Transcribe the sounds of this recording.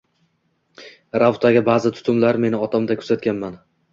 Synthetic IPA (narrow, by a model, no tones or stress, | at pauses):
ɾawt̪ʰaɡʲɪbazɪt̪ʰʊ̥t̪ʰʊmlaɾme̞nɪɒt̪ʰamd̪akʰɵzat̪̚kʲanman